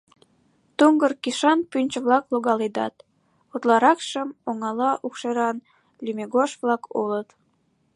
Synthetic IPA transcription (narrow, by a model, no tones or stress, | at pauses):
t̪uŋɡərkiʃɑnpynʲt͡ɕəβlɑkloɣɑled̪ɑ̰t̪ | ot̪lɑɾɑkʃəmoŋɑlɑʔukʃeɾɑn | lʲymeɣoʃβlɑkolət̪